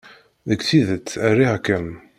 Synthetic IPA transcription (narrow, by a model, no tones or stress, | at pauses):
ðəɡθiðət͡sːærːiʁkːæn